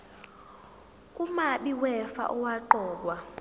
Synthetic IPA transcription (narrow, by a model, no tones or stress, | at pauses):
kʼumaɓiwɛfa̰ʔuwaǃɔːkwa